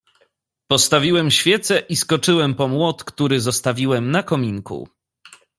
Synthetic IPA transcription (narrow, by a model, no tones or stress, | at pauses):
pɔst̪avʲiwɛmɕfʲjɛt̪sɛʔiskɔt͡ʂɘwɛmpɔmwɔt̪kt̪uɾɘzɔst̪avʲiwɛmnakɔmʲiŋkṵ